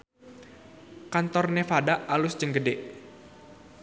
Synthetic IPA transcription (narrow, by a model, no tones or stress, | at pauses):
kant̪ɔrnefadaʔalʊsd͡ʒəŋɡədeʔ